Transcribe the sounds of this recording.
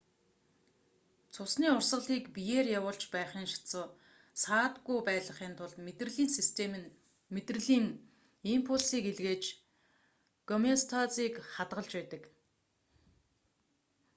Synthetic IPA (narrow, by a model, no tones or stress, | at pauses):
t͡sʰʊsniːʊrsə̆ɮiːkpijeːrjawʊːɮt͡ɕpæːχiːŋʃḁt͡sə̆ː | saːt̪ɡujpæːɮə̆χiːnt̪ʰʊɮt̪et̪rɘ̆ɮiːnsist̪ʰen | met̪rɘ̆ɮiːŋ | impʰʊɮsiːkeɮɣeːt͡ɕ | ɡ̥ɔmest̪ʰat͡siːkχat̪ʁə̆ɮt͡ɕpæːt̪ə̆k